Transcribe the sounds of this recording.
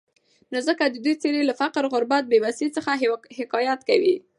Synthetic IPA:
nozəkad̪əd̪ujt͡seɾelafaqɾɣʊɾbat̪̚bewasit͡səxahɪkɑjat̪ka̰wi

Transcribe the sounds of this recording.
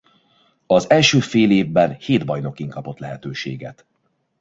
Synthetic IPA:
ɒzɛlʃøːfeːleːvbɛnheːd̪bɒjno̞kiŋkɒpo̞t̪lɛɦɛt̪øːʃḛːɡɛt̪

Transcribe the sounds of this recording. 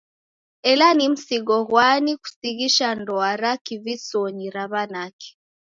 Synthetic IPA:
ɛlanim̩siɡɔɣwaniku̥siɣiʃandɔaɾakivisɔɲiɾaβanaki̥

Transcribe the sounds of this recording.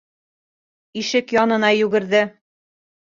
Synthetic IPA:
iʃɘkjɒnɤ̆nɑjʉɡɘ̆ɾðɘ

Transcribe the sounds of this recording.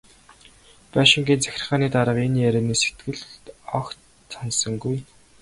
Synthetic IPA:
pæʃɪ̆ŋɡiːnt͡sæ̥xʲɪ̥̆rχaːniːt̪aɾə̆qeniːjæɾʲeːniːse̥t̪ɡɘ̆ɮt̪ɔk | sansə̆ŋɡuj

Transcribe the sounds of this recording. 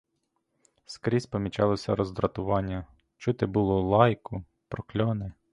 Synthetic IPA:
skɾʲisʲpɔmʲit͡ʃɑlˠɔsʲɐɾɔzd̪ɾɐt̪ʊʋɑnʲːɐ | t͡ʃut̪ɪbʊlˠɔlˠɑjkʊ | pɾɔklʲɔnɪ

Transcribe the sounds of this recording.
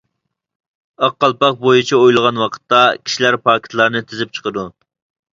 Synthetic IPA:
ɑqːɑlˠpɑq̚bojit͡ʃʰiojlˠəʁɑnwɑqʰə̥t̪ːɑkʲʰi̥ʃilæɾpʰɑːkʲʰi̥t̪ʰlˠɑɾnɨt̪ʰɪzɪp̚t͡ʃʰə̥qəd̪u

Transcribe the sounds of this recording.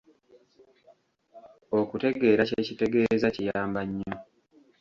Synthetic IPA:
o̞kute̞ɡe̞ːɾaceːcite̞ɡe̞ːzacijaːmbaɲːo

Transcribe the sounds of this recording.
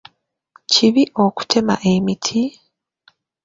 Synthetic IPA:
ciβiʔo̞ku̥tʰe̞ma̰ʔe̞mitʰi

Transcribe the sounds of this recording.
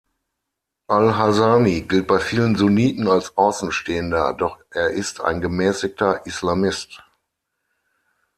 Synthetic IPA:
ʔalɦazaːmiɡɪlt̚b̥aɪfiːlənzuniːtn̩alsʔaʊsn̩ʃteːəndɐ̰dɔχʔeːɐʔɪstʰa̰ɪnɡəmɛːsɪk̚tɐʔislamɪst

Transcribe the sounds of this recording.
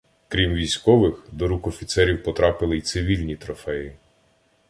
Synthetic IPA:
kɾʲimʋʲijsʲkɔʋɪxd̪ɔɾukɔfʲit̪sɛɾʲiwpɔt̪ɾɑpɪlˠɪjt̪sɪʋʲilʲnʲit̪ɾɔfɛji

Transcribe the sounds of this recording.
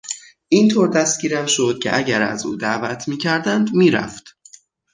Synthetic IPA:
ʔiːnt̪ʰoːɾd̪æst̪̚ɟiːɾæmʃo̞d̪̥̚cʰḛʔæɟæɾæ̰zṵːd̪æːvæt̪ʰmiːcʰæɾd̪ænd̪miːɾæ̰ft̪

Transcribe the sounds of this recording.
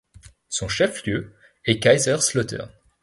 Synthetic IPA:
sɔ̃ʃɛfljø | ɛkajzœʁslɔt̪œ̰ʁ

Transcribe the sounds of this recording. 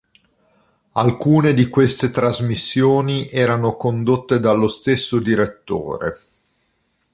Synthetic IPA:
alkuːned̪ikwest̪et̪ɾazmisːjoːniʔɛːɾanokond̪ot̪ːed̪alːost̪esːod̪iɾet̪ːo̰ːɾḛ

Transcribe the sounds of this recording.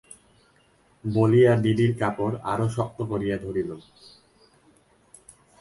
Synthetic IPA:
bolijaɖiɖiɾkapoɾa̰ɾoʃɔk̚t̪okoɾijad̪ʱoɾilo

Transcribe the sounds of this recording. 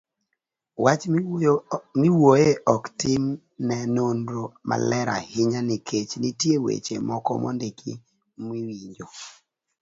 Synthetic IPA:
wat͡ʃ | mɪwojeʔɔktɪm | nɛnondɾoma̰lɛɾa̰hɪɲanikʰet͡ʃnitjewḛt͡ʃemɔkɔ̰mɔ̰ndekʰḭ | mwiwiɲd͡ʒo

